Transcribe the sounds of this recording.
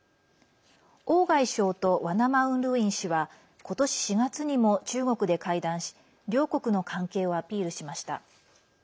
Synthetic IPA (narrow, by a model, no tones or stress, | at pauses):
o̞ːɡaiɕo̞ːt̪o̞βanamaɯ̟̃nɾɯ̟ĩɰ̃ɕiβa | ko̞t̪o̞ɕi̥ɕiɡat͡sɨɲ̟imo̞t͡ɕɨːɡo̞kɯ̟d̪e̞kaid̪ãɰ̃ɕi̥ | ɾʲo̞ːko̞kɯ̟no̞kʰãŋke̞ːo̞apʲiːɾɯ̟ɕimaɕi̥t̪a̰